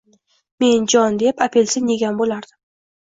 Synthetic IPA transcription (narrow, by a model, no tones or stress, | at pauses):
me̞nd͡ʒɒnd̪e̞papʰe̞lsɪe̞ɡʲanbolaɾd̪̥ɪ